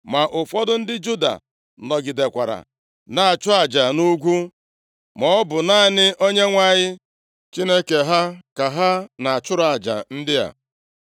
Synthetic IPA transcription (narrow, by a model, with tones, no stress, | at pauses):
ma˨ʔʊ˨fɔ˦dʊ˦n̩˦dɪ˦d͡ʒu˦da̰˨ | nɔ˨ɡɪ˨de˨kʷa˨ɾa̰˨ | na˨a˨t͡ʃʊ˦a˨d͡ʒa˨nu˦ɡʷu˦ | mɔ˦ɔ˦bʊ˨na˦˨nɪ˦ʔo˦ɲe˦ŋʷa˦ɲɪ˦ | t͡ʃi˦ne˦ke˨ɦa˦ka˨ɦa˦na˨a˨t͡ʃʊ˦ɾa˨d͡ʒa̰˨n̩˦dɪ˦ja̰˨